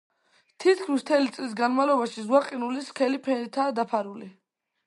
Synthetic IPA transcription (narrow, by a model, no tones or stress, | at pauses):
t̪ʰit̪kʰmist̪ʰɛlit̪sʼlis̬ɡanmavlɔbaʃizwaqʼinuliskʰɛlipʰɛnɾit̪ʰaːd̪apʰaɾuli